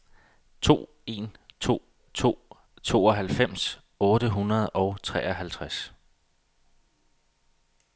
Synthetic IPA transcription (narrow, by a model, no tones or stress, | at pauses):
t͡sʰo̝̰ː | e̝nʰo̝̰ | t͡sʰo̝̰ː | t͡sʰo̝̰ːɒ̽ɦælfem̰s | ɔ̽ːd̥əɦunɐð̞̩ˠɒʊt͡sʰʁɛ̰ːɒɦælt͡sʰʁas